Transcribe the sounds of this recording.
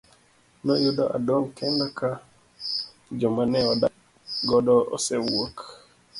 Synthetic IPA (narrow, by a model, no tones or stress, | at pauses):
nɔjudɔʔa̰doŋkʰɛndaka | d͡ʒɔmanɛɔda | ɡɔdɔɔ̰sɛwok